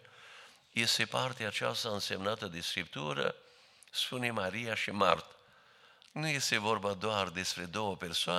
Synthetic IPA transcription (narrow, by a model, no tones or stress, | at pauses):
isepaɾt̪eat͡ʃa̰saɨnsemnat̪əd̪eskɾip̚t̪uɾə̰ | sfunimaɾiaʃima̰ɾt̪ | nujɛst̪evoɾbad̪oaɾd̪espɾed̪opeɾsoa